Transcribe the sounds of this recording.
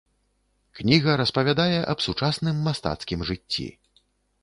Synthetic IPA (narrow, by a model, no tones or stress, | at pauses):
knʲiɣɐɾɐspɐvʲad̪ajɛʔɐbsut͡ʂasnɨmːast̪a̰t̪skʲimʐɨt͡sʲːḭ